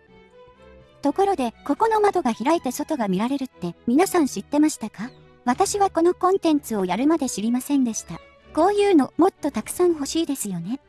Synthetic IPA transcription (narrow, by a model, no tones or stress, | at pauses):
t̪o̞ko̞ɾo̞d̪e̞ko̞ko̞nomad̪o̞ɡaçiɾait̪e̞so̞t̪o̞ɡamʲiɾaɾe̞ɾɯ̟t̪ːe̞mʲinasãɰ̃ɕit̪ːe̞maɕi̥t̪aka | β̞at̪aɕiβako̞no̞kõ̞nt̪ẽ̞nt͡sɨo̞jaɾɯ̟mad̪e̞ɕiɾʲimasẽ̞nd̪e̞ɕi̥t̪a | ko̞ːjɯ̟ːno̞mo̞t̪ːo̞t̪akɯ̟̥sãɰ̃ɦo̞ɕiːd̪e̞sɨjo̞ne̞